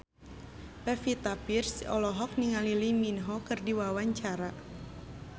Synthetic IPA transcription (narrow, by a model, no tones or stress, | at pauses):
pɛfit̪apirsɔ̰lɔɦɔk̚niŋaliliminɦɔkɨrdiwawaɲt͡ʃaɾa